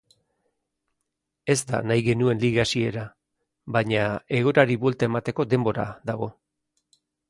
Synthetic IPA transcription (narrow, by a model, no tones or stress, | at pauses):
e̞zt̪a̰najɣe̞nue̞nliɣasie̞ɾa | βaɲae̞ɣ̞oɾaɾiβuelt̪ae̞mat̪e̞ko̞d̪e̞mbo̞ɾa̰ðaɣ̞o̞